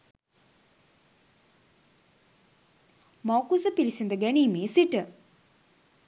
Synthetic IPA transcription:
mawkusəpilisind̪əɡæniːmeːsiʈə

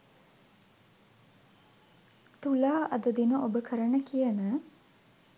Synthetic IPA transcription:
t̪ulaːʔɐd̪əd̪inəʔobəkʰəɾəɳəkʰijənə

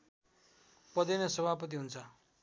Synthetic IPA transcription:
pʌd̪enʌsʌbʱapʌt̪̬iɦunt͡sʰʌ

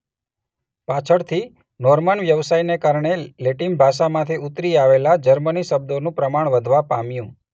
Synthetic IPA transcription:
pat͡ʃʰəɽt̪ʰi | nɔɾməɳʋjəʋsajnekaɾɳ̃eleʈimbʱaʃ̬amãt̪ʰiut̪ɾiaʋelad͡ʒəɾməniʃəb̚d̪onũpɾəmaɳ̃ʋəd̪ʱʋapamjũ

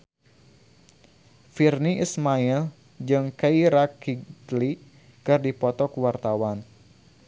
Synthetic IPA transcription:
firniʔismail | d͡ʒɨŋkaiɾakili | kɨrdipɔt̪ɔkuwart̪awan

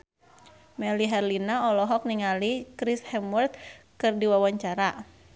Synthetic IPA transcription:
mɛliɦɛrlinaɔlɔɦɔk̚niŋalikɾishɛmərt̪̚kɨrdiwawaɲt͡ʃaɾa

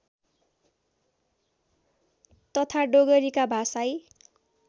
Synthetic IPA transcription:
t̪ʌt̪ʰaɖoɡʌɾikabʱasaj

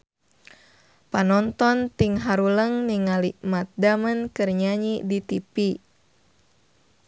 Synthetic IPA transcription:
panɔnt̪ɔnt̪iŋɦaɾuləŋniŋaliʔmat̪̚damənkɨrɲaɲidit̪ipi

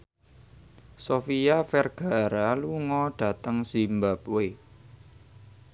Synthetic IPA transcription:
sofiafɛrɡ̥a̤ɾaluŋɔɖ̥a̤t̪əŋsimbapwe

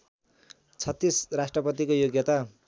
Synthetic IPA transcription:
t͡sʰʌt̪ːisrasʈrʌpʌt̪ikojoɡjʌt̪a

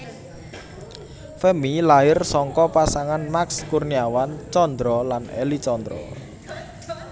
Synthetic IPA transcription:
fɛmilaɪrsɔŋkɔpasaŋanmakskurniawant͡ʃɔnd̪ɾɔlanḛlit͡ʃɔnd̪ɾɔ̰

